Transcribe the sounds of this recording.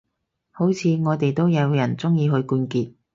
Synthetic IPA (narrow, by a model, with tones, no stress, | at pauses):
ho˨˥wt͡sʰiː˨˧ŋɔː˨˧t̪e˨jt̪o˥wjɐ˨˧wjɐ˨˩nt͡sʊ˥ŋjiː˧ɦɵ˧ɥkuː˧nkiː˧t̚